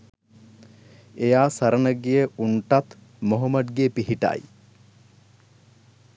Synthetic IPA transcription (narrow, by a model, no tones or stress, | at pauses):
ejaːsaɾənəɡijəʔuɳʈat̪ | moɦomɐd̪ɡepiɦiʈa̰j